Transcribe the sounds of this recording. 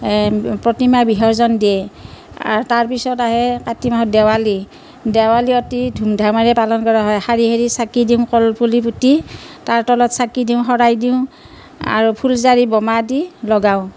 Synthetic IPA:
pɹɔtimabiɦɔɹzɔndiɛ | a̰ɹtaɹpisɔtaɦɛkatimaɦɔdɛwali | dɛwaliɔtidʱumdʱamaɹɛpalɔnkɔɹaɦɔjhaɹiɦeɹisakidiʊ̃kɔlpʰulip̬utitaɹtɔlɔtsakidiʊ̃ɦɔɹajdiʊ̃ | a̰ɹupʰulzaɹibɔmadilɔɡaʊ̃

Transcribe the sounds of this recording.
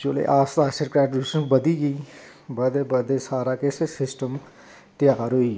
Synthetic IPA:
t͡ʃolḛʔaːst̪aːsəɾkɾaːɖuːʃənbɐd̪iɡiː | bɐd̪ebɐd̪esaːɾakesesɪsʈəm | ʈɪjaːɾoiː

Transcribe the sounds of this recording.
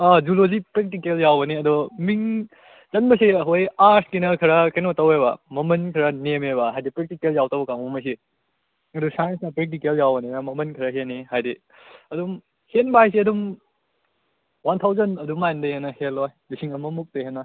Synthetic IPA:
ad͡ʒulozipɾek̚tikeljawbɐniɐdumiŋ | zɐnbɐsiɐɦojaɾsʰkinɐkʰɐɾɐkɐjnotɐweβɐ̰mɐmɐnkʰɐɾɐnemebɐɦajdipɾek̚tikeljawtɐwbɐkaŋomɐs̬i | ɐdusajnsnɐpɾek̚tikeljawbɐninɐmɐmɐnkʰɐɾɐɦenːihajdi | ɐdum | henbajsiɐdum | want̪ʰawzɐnɐdumajndɐjenːɐhelːojmisʰiŋɐmɐmuk̚teɦenːɐ

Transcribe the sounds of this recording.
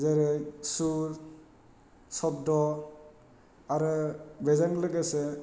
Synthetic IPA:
zeɾɯjsuɾ | sɔp̚dɔ | aɾɯbezaŋlɯɡese

